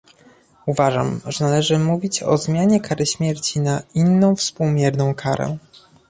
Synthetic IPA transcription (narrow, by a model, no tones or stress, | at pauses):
uvaʐa̰mʐɛnalɛʐɘmuvʲit͡ɕɔ̰zmʲjaɲɛkʰaɾɘɕmʲjɛɾt͡ɕinainːɔ̃w̃fspuwmʲjɛɾnɔ̃w̃kʰaɾɛ̰